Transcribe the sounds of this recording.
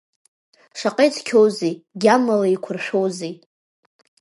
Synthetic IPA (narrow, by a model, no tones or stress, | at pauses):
ʂaqʼejt͡sʰkʲʰowzijɡʲamːalaikʷʰʊrʃʷᶣowze